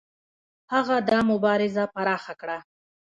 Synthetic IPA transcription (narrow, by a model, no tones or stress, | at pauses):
haɣad̪ɑmʊbɑɾɪzapaɾɑxakɽa